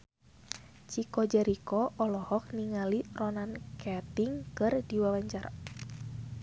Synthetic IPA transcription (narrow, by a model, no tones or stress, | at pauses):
t͡ʃikɔd͡ʒɛɾikɔʔɔlɔhɔk̚niŋalirɔnankɛt̪iŋkɨrdiwawaɲt͡ʃar